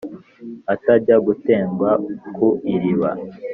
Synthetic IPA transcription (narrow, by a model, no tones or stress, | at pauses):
ataɾɟaɡute̞ːŋɡwakʰuiɾiβa̰